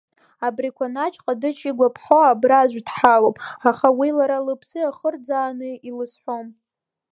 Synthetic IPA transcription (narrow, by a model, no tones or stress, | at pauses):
abrikʷʰanat͡ʃʼqʼadɨt͡ʃʰiɡʷapʰħoabraʒʷdħalowpʼaχawilaɾalɨpʰsɨaχərd͡zaːnɨilɨsħʷom